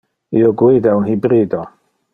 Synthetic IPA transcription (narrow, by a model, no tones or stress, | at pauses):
iɔɡwɪdɛwnhibɾiːdɔ